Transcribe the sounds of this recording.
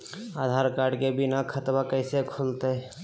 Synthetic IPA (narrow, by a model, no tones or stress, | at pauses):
aːd̪ʱaːɾkaːɾɖkebɪnakʰət̪bakəɪsekʰolt̪e